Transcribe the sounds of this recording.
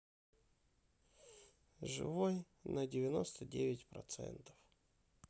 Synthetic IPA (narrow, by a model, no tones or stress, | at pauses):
ʐɨ̰voj | nədʲɪvʲɪnost̪ədʲevʲɪtʲpɾɐ̰t̪sɛ̰nt̪ə̥f